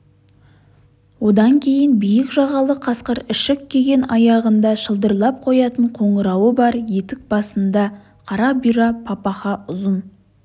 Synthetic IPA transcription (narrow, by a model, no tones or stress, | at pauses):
wo̞d̪ɑŋkʲʰe̞jɪnbijɪkʒɑʁɑlˠəqʰɑsqəɾɪʃɪkkʲʰːe̞ɡʲe̞nɑjɑʁənd̪ɑʃəlˠd̪əɾlˠɑp̚qʰo̞jɑt̪əɴqʰo̞ɴəɾɑwəbɑɾje̞t̪ɪk̚bɑsənd̪ɑ | qʰɑɾɑbiɾɑpʰɑpɑχɑʊzən